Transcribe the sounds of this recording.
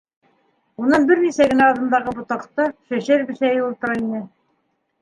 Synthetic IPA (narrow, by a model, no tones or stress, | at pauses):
unɤɴbɘɾnisæɡɘ̆næɑðɤ̆nd̪ɑʁɤbŏt̪ɑqt̪ɤʃæɕæɾbɘ̆ʃæjɘulˠt̪ɤ̆ɾɑinɘ